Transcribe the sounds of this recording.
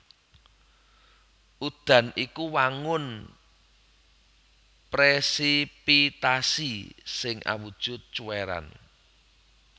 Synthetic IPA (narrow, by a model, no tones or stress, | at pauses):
ʔud̪̥a̤nikuwaŋʊn | pɾesipit̪asisɪŋʔa̰wud̥ʒ̥ʊt̪̚t͡ʃuweɾa̰n